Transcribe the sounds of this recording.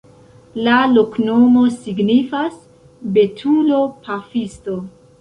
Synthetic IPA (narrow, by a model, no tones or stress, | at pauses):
lalo̞kno̞mo̞siɡnifas | be̞tʰulo̞pʰafisto̞